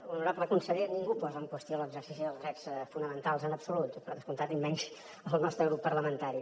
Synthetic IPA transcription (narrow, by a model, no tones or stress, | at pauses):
ulˠnuɾabləkunsəðeniŋɡupɔzəŋkwəst̪ioləɡzərsisiðəlˠzɣɾɛsfunəmənt̪alˠzənəpsulut̪pəɾðəskunt̪at̪imːɛnz | əlˠnɔst̪ɾəɣɾupːəɾləmənt̪aɾi